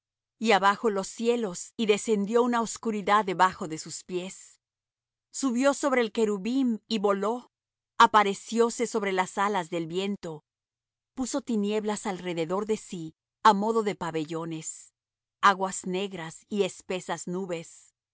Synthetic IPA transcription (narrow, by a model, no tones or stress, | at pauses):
iaβaxo̞lo̞sje̞lo̞siðe̞se̞nd̪jo̞unaoskuɾiðaðe̞βaxo̞ðe̞suspje̞s | uβjo̞so̞βɾe̞ːlke̞ɾuβimiβo̞lo̞ | apaɾe̞sjo̞se̞so̞βɾe̞lasalazðe̞lbje̞nt̪o̞ | puso̞t̪inje̞βlasalre̞ðe̞ðo̞ɾðe̞si | amo̞ðo̞ðe̞paβe̞ʝo̞ne̞s | aɣwazne̞ɣɾasie̞spe̞saznuβe̞s